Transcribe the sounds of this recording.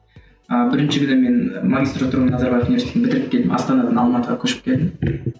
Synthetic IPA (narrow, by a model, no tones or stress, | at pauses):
əbɪɾɪnʃɪkʲʰʏneme̞nmaɡʲist̪ɾot̪ːuɾmnɑzɑɾbajefunivesebɪt̪ɪɾɪp̚kʲe̞ld̪ɪmʔɑ̰st̪ɑnɑd̪ɑnɑlˠmɑt̪əʁɑkʲʰɵʃɪ̥p̚kʲʰe̞ld̪ɪm